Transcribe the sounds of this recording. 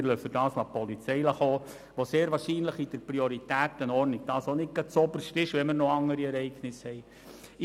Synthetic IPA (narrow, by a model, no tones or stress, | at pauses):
ɾlœfədɑːslɑpɔlit͡sɛɪləχoː | ʋoseːɾʋɑːɾʃiːnləχid̥əɾprioɾit̪æːt̪ənɔɾnɪɡ̚d̥ɑːsonɪt̚ɡɑt͡sɔbəɾʃtɪʃʋɛməɾnoɑŋːəɾiɛɾɛɪɡnɪshɛɪ